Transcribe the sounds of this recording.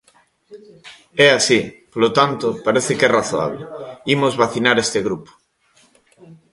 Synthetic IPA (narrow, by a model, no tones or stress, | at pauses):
ɛasipolot̪ant̪opaɾeθekɛraθoa̰β̞leimozβaθinaɾest̪eɣɾupo̥